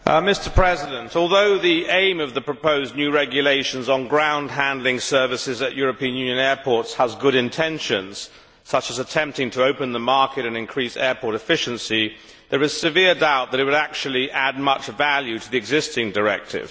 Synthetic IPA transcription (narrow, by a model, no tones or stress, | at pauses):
ʔmɪstə˞pʰɹ̥ɛzɪɾə̃ntʰɔlˠðoʊðiẽɪ̃mʌvðəpɹ̥əpʰoʊznjʉɹɛɡjɨleɪʃɨ̃n̩zn̩ɡɹãʊ̃nd̚ɦæ̃ndˡlɪ̃ŋsɜ˞vɨsɨzɨʔjʊɹɨpĩɨ̃njʉ̃njɨ̃nɛɹpʰɔɹtshəzɡʊɾɨ̃ntʰɛ̃nʃɨ̃nz̥ | sʌt͡ʃəzətʰɛ̃mp̚tɪ̃ŋtʰəoʊpɨ̃nðəmɑɹkɨɾɨ̃nɨ̃nkʰɹ̥isɛɹpʰɔɹɾɨfɪʃɨ̃nsi | ðə˞ɨz̥sɨvɪɹdaʊt̪̚ðɨɾɨt̚wəɾæk̚t͡ʃul̩ˠiʔæd̚mʌt͡ʃvælˠjʉɾəðiɨɡzɪstɪ̃ŋdə˞ɛ̰k̚tʰɪ̰v̥